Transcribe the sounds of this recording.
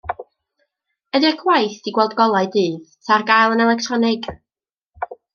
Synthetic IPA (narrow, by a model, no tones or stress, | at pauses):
ədɛkʰwajθd̥iɡwɛlˠdɡɔlˠaɨdɨːðtʰarɡajlˠənɛlˠɛk̚tʰrɔnɪɡ̥